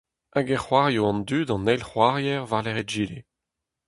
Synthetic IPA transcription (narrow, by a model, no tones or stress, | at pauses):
aɡɛʁχwaʁjoɑ̃nd̪yːdɑ̃nɛlχwaʁjɛʁvaʁlɛʁetʒiːle